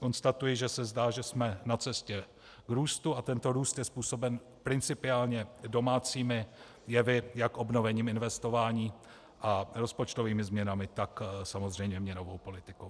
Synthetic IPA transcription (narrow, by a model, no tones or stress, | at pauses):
ko̞nst̪at̪ujɪʒɛsɛzdaːʒɛsmɛnat͡sɛscɛ | ɡɾuːst̪uat̪ɛnt̪o̞ɾuːst̪jɛspuːso̞bɛn | pɾɪnt͡sɪpɪaːlɲɛdo̞maːt͡siːmɪ | jɛvɪjakʔo̞bno̞vɛɲiːmɪnvɛst̪o̞vaːɲiː | ʔaɾo̞spo̞t͡ʃt̪o̞viːmɪzmɲɛnamɪt̪aksamo̞zr̝ɛjmɲɛmɲɛno̞vo̞wpo̞lɪt̪ɪkow